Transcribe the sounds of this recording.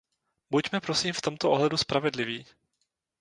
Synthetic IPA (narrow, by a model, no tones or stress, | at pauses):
bucmɛpɾosiːmft̪o̞mt̪oʔoɦlɛduspɾavɛdlɪviː